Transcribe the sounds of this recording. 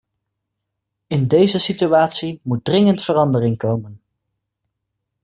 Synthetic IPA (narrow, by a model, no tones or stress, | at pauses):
ɪndejzəsityaːtsimut̚drɪŋəntfərɑndərɪŋkowmən